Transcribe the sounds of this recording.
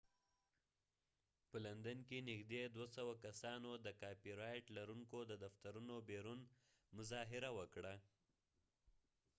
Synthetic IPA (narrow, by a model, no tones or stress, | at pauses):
pəland̪ankenɪxd̪ed̪wasawakasɑnod̪əkɑpiɾɑjʈlaɾuŋkod̪əd̪aft̪aɾunobeɾun | mʊzɑɦɪɾawəkɽa